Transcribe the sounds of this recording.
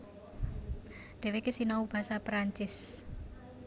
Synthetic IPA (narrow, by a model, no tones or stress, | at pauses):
ɖ̥ɛ̤wekesinaub̥a̤sapɾaɲt͡ʃɪs